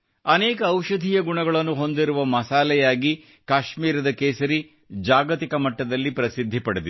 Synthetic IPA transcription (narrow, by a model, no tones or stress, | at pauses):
ɐneːkɐːwʃɐd̪ʱiːjɐɡuɳɐɡɐɭɐnːuɦo̞nd̪iɾuʋɐmɐsaːlɛjaːɡi | kaːʃmiːɾɐd̪ɐkeːsɐɾi | d͡ʒaːɡɐt̪ikɐmɐʈːɐd̪ɐlːipɾɐsid̪ʱːipɐɽed̪i